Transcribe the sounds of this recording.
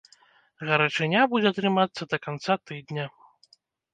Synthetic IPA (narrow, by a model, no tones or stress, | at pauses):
ɣɐɾat͡ʂɨnʲabud͡zʲɛɐt̪ɾɨmat̪sːɐd̪ɐkant̪sat̪ɨd̪nʲɐ